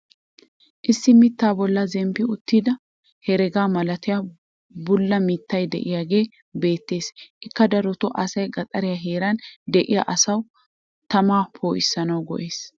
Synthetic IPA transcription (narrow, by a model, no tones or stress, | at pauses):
ʔɪsːɪmɪt̪ːaːbɔlːɐzɛmpɪʊt̪ːiːd̪ɐ | hɛɾɛɡaːmɐlɐt̪ɪja | bʊlːɐmɪːt̪ːɐjd̪ɛ̰ʔɪjaːɡe̞ː | be̞ːt̪ːe̞ːsʔɪkːɐd̪ɐɾɔt̪ɔʔɐsɐjɡɐt̪ʼɐɾɪjaɦeːɾɐnd̪ɛʔɪja̰ʔɐsɐw | t̪ɐmaːpʰoːʔɪsːɐnɐwɡɔ̰ʔe̞ːs